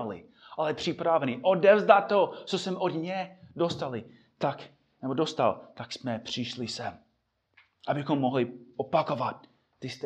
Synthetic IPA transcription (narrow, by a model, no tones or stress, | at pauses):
lɪ̰ | ʔalɛpr̝̥ɪpɾavɛnɪʔodɛvzd̪at̪̚ːot͡sosɛmod̪ɲɛdost̪alɪ | t̪ak | nɛbodost̪a̰lt̪aksmɛpr̥ɪʃlɪsɛm | ʔabɪxomːoɦlɪopakovat̪̚ː | ɪst̪